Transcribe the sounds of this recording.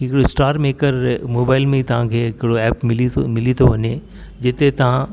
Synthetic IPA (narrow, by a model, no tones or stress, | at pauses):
ɦɪkɪɽosʈaːɾmeːkəɾmoːbaːɪlmẽit̪ɐʋ̤ãkʰeːɪkɪɽoɛːpɪlimɪlit̪ʰoʋɐɲe | d͡ʑɪt̪et̪ɐʋ̤ã